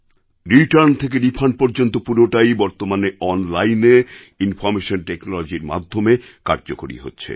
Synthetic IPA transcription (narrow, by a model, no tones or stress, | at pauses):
ɾiʈaɾnt̪ʰek̬eɖipʰanpoɾd͡ʑont̪opuɾoʈajbɔɾt̪omaneɔnlajne | infɔɾmeʃonʈeknolod͡ʑiɾma̰d̪ʱːomekaɾd͡ʑokoɾḭɦo̰tːɕʰḛ